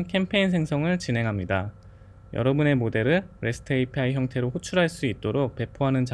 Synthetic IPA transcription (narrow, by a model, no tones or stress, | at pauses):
nkʰe̞mpʰe̞ins̬ʰe̞ŋsʰʌŋɯɭt͡ɕinɦe̞ŋɦamɲida | jʌ̰ɾʌbune̞mode̞ɾɯɾe̞sʰɯ̥tʰeipʰaiçjʌŋtʰeɾoɸot͡ɕʰuɾɦaɭs͈uit̚t͈oɾok̚pe̞pʰoɦanɯnt͡ɕa